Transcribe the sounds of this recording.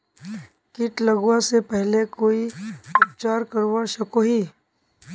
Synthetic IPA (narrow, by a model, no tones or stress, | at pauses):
kɪʈlɐɡwãsepɛɦlekoːipəpt͡ʃaːɾkəɾwaʃɐkoɦiː